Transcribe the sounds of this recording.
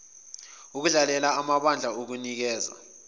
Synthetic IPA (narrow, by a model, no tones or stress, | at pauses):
uk̬uɮalɛlaamaɓand͡ɮʱaok̬unik̬ɛːza̰